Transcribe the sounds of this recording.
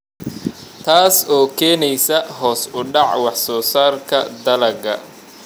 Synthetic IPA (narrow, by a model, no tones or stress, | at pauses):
t̪ʰaːsɔːkʰɛːnɛjsɐɦɔːsʊɖɑʕwɑħsɔːsaːrkʰɐd̪ɐlɐɡɐ